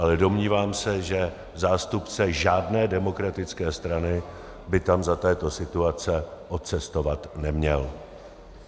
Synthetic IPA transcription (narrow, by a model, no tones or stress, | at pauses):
ʔalɛdo̞mɲiːvaːmsɛʒɛ | zaːst̪upt͡sɛʒaːdnɛːdɛmo̞kɾat̪ɪt͡skɛːst̪ɾanɪ | bɪt̪amzat̪ɛːt̪o̞sɪt̪uat͡sɛʔot̪t͡sɛst̪o̞vat̪nɛmɲɛl